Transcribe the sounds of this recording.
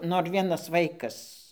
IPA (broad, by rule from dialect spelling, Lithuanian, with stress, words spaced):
ˈnoːr ˈʋʲiɛnɐs ˈʋɐɪkɐs